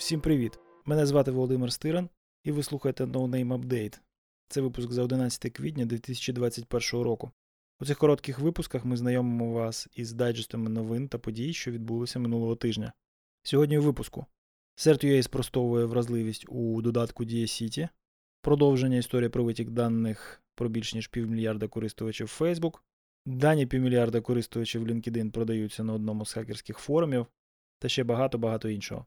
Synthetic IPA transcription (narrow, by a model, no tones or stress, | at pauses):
wsʲimpɾɪʋʲit̪ | mɛnɛzʋɑt̪ɪʋɔlˠɔd̪ɪmɪrst̪ɪɾɐn | iʋɪslˠuxɐjet̪ɛnɔwnɛjmɐbd̪ɛjt̪ | t̪sɛʋɪpʊskzɐɔd̪ɪnɑt͡sʲɐ̥t̪ɪkʋʲidʲnʲɐd̪ʲʋʲit̪ɪsʲɐ̥t͡ʃid̪ʋɑt͡sʲːɐtʲpɛrʃɔɦɔɾɔkʊ | ut̪sɪxkɔɾɔt̪kɪxʋɪpʊskɐxmɪznɐjɔmɪmɔʋɑsizd̪ɑjd͡ʒɪst̪ɐmɪnɔʋɪnt̪ɐpɔdʲijʃt͡ʃɔʋʲid̪̚bulˠɪsʲɐmɪnulˠɔɦɔt̪ɪʒnʲɐ | sʲɔɦɔdʲnʲiuʋɪpʊskʊ | sɛɾt̪jɛjspɾɔst̪ɔʋʊjɛʋɾɐzlˠɪʋʲisʲtʲud̪ɔd̪ɑt̪kʊdʲijɐsʲitʲi | pɾɔd̪ɔwʒenʲːɐist̪ɔɾʲijɐpɾɔʋɪtʲiɡd̪ɑnːɪxpɾɔbʲilʲʃnʲiʃpʲiwmʲɪlʲjɑrd̪ɐkɔɾɪst̪ʊʋɐt͡ʃiwfɛjzbuk | d̪ɑnʲipʲiwmʲɪlʲjɑrd̪ɐkɔɾɪst̪ʊʋɐt͡ʃiwlʲinkɪd̪ɪnpɾɔd̪ɐjut͡sʲːɐnɐɔd̪nɔmʊz̥xɑkersʲkɪxfɔɾʊmʲiw | t̪ɐʃt͡ʃɛbɐɦɑt̪ɔbɐɦɑt̪ɔinʃɔ̰ɦɔ̰